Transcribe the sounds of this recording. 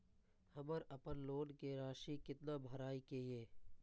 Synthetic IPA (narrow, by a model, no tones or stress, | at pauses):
həməɾɐpənloːnkeɾaːʃikɪt̪nabʱəɾaːikeieː